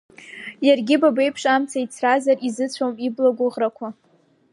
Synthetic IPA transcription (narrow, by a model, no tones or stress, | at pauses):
jarɡʲɪbabe̞jpʰʂamt͡sʰait͡sʰrazarizɨt͡sʷʰomiblaɡʷʊʁrakʷʰa